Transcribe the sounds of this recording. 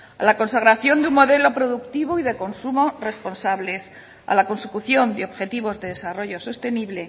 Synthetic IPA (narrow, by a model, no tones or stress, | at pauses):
a̰lako̞nsaɣ̞ɾaθjo̞nd̪eummo̞ðe̞lo̞pɾo̞ðukt̪iβ̞oiðe̞ko̞nsumore̞spo̞nsaβle̞s | a̰lako̞nsekuθjo̞nd̪eo̞βxe̞t̪iβ̞o̞zðe̞ðe̞saro̞ʝo̞so̞st̪e̞niβle̞